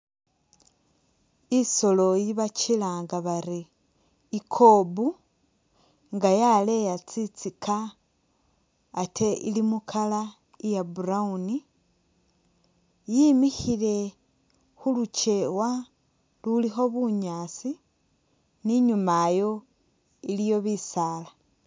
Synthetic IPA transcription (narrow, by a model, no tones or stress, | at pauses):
iso̞lo̞jiβat͡ʃilaːŋɡaβaɾiː | kʰo̞bu | ŋɡajale̞jat͡sit͡sikʰa | tʰe̞ʔḭlimukʰala | ijaburauni | jimixile̞ | xulut͡ʃe̞wa | lulixo̞βuɲaːt͡si | niɲumajo̞ | ilijo̞βisaːla